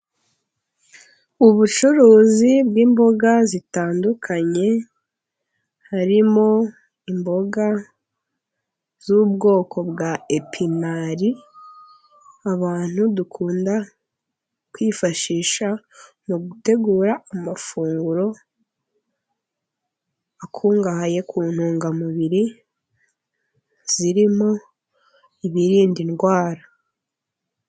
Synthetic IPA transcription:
uβut͡ʃuɾuːzibɡiːmbo̞ɡazitaːndukʰaɲe̞ | haɾimo̞ | imbo̞ɡa | z̥ubɡo̞ːkʰo̞bɡae̞pʰinaɾi | aβaːn̥hudukʰuːnda | kwiːfaʃiːʃa | muɡute̞ɡuːɾaːmafuːŋɡuɾo̞ | akʰuːŋɡahaje̞kʰuːn̥huːŋɡamuβiɾi | z̥iɾimo̞ | iβiɾiːndinɡwaːɾa

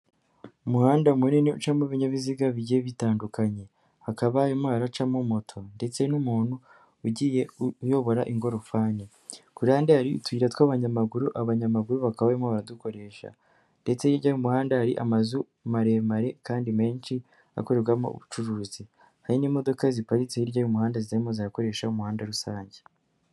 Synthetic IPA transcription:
umuhaːndamuniniṵt͡ʃamoβiɲaβiziɡaβiɟijeβitaːndukaɲe̞ | hakaβajomaːɾat͡ʃamomotʰo̞nde̞t͡se̞numuːnhuː | ɟiːje̞ujo̞βo̞ɾaʔiŋɡo̞ɾofaːne | kuɾaːndeaɾiṵtwiːɾatwaβaɲamaɡuɾuʔaβaɲamaɡuɾuβakaβajomaβaɾaduko̞ɾe̞ːʃa̰ | nde̞t͡se̞jiɾɟajumuhaːndahaɾiʔa̰mazu | maɾe̞maɾe̞kaːndime̞ːnt͡ʃi | a̰ko̞ɾe̞ɾɡwamo̰ṵβut͡ʃuɾuːzi | haɾinimo̞do̞kazipaɾit͡sejiɾɟajumuhaːndazitaɾimo̞ziako̞ɾe̞ːʃaumuhaːndaɾusaːɲɟe

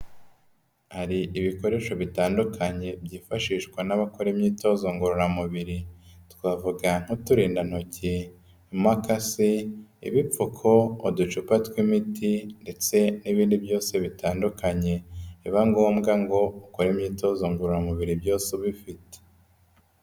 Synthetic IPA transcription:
haɾiʔiβiko̞ɾe̞ːʃo̞βitaːndukʰaɲe̞bjiːfaʃiːʃkwanaβako̞ɾemɲiːto̞zoŋɡoɾuɾamuβiɾitkwavuɡaŋ̥hutuɾiːndanoce | imakasiḭβip͡fukʰo̞ːdut͡ʃupatwimitʰinde̞t͡se̞niβiːndibjo̞ːse̞βitaːndukaɲe̞iβaŋɡo̞ːmɡaŋɡo̞oko̞ɾemɲiːto̞zoːŋɡoɾuɾamuβiɾibjo̞ːseβifite̥

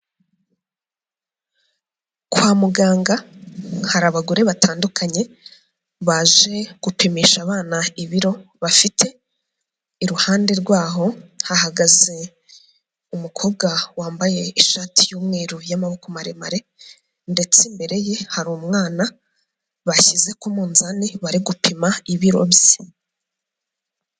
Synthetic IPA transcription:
kwaːmuɡaːŋɡahaɾaβaɡuɾe̞βatʰaːndukʰaɲe̞ | βaːʒe̞ɡ̥upimiːʃaβaːnaiβiɾo̞ | βafitʰe̞ | iɾuhaːnde̞ɾɡwaːɦo̞hahaɡaze̞ | umukʰo̞ːbɡawaːmbaje̞iʃaːtʰijuːmŋe̞ːɾujamahukomaɾema̰ɾe̞ | nde̞t͡simbe̞ɾe̞je̞haɾumŋaːna | βaçize̞kumuːnzaniβaɾiɡupʰimaiβiɾo̰βji

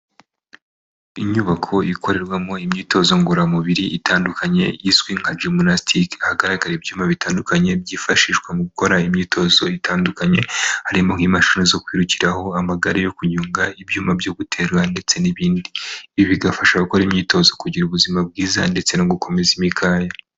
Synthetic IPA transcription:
iɲuβakʰo̞ikʰo̞ɾe̞ɾɡwamoimɲiːto̞zo̞ŋɡuɾamuβiɾiʔitʰaːndukʰaɲe̞̰jizɡwiŋ̥had͡ʒumonastʰikahaɡaɾaɡaɾebjuːmaβitaːndukaɲe̞bɟiːfaʃiʃɡwemuɡuko̞ɾaimɲiːtʰo̞zo̞itaːndukaɲe̞haɾimo̞ŋ̥imaʃunizo̞kwiːɾuci̥ɾaho̞amaɡaɾejo̞kuɲuːŋɡaibjuːmabjo̞ɡutʰe̞ːɾwande̞t͡se̞niβiːndiiβiɡafaʃaɡukoɾimɲiːto̞zo̞kuɟiɾuβuzimab̚ɡiːza̰nde̞t͡se̞noɡuko̞me̞zimikʰaːja

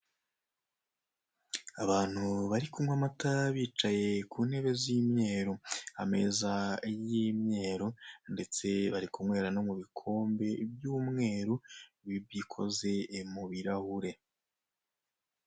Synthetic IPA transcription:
aβaːn̥huβaɾikumŋamataβiːt͡ʃaje̞kuːnhe̞βe̞zimɲe̞ːɾoa̰me̞zaijimɲe̞ːɾonde̞t͡se̞βaɾikumŋe̞ːɾano̞muβikʰo̞ːmbe̞bjuːmŋe̞ːɾuβibikʰo̞̰ze̞muβiɾahuɾe̞

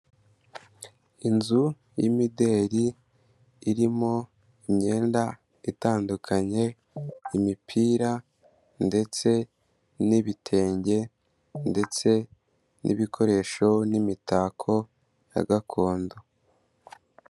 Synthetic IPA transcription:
inzu | jimide̞ːɾiː | ɾimo̞ | imɲe̞ːnda | itaːndukʰaɲe̞ | imipʰiːɾa | nde̞t͡se̞ | niβitʰe̞ːɲɟe̞ | nde̞t͡se̞ | nʔḭβikʰo̞ɾe̞ːʃo̞nimitaːkʰo̞ | ja̰ɡakʰo̞ːndo

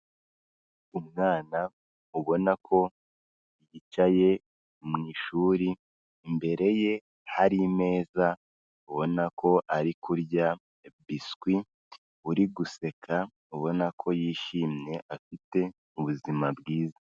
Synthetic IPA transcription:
umŋaːna | uβo̞nakʰo̞ | jit͡ʃaje̞ | mŋiːʃuːɾi | mbe̞ɾe̞je̞ | haɾime̞ːza | uβo̞nakʰo̞ʔaɾikʰuɾɟa | biskwi | uɾiɡuse̞kʰa | uβo̞nakʰo̞jiːʃiːmɲe̞ʔafite̞ | uβuzimabɡiːza

